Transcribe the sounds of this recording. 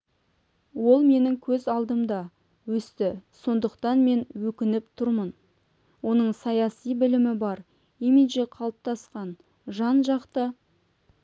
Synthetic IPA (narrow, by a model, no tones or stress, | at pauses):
wo̞lˠme̞nɪŋkʲʰɵzɑlˠd̪əmd̪ɑ | wɵst̪ɪso̞nd̪əqt̪ɑnme̞nwɵkʲɪnɪpt̪ʰʊɾmən | wo̞nəɴsɑjɑsijbɪlɪmɪbɑɾ | imiʒeqʰɑlˠəp̚t̪ɑsqɑn | ʒɑnʒɑqt̪ə